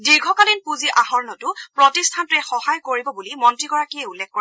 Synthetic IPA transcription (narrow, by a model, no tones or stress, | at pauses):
diɹɡʱɔkalinpuziʔahɔɹnɔtʊpɹɔtistʰantʊɛxɔhajkoɹibɔbulimɔntɹiɡɔɹakiɛulːɛk̚ʰko